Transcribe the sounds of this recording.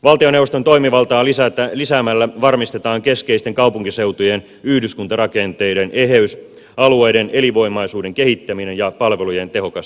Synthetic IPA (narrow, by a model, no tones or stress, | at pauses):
ʋɑlt̪io̞newʋost̪ot̪o̞imiʋɑlt̪ɑːlisæt̪lisæmælːæʋɑrmist̪et̪ɑːŋke̞skeist̪eŋkɑupuŋkise̞wt̪ujen | yhdyskunt̪ɑrɑke̞nt̪ejdene̞ɦeys | ɑluejdene̞liʋo̞imɑisuːde̞ŋkehit̪ːæminenjɑpɑlʋelujent̪e̞ɦokɑst̪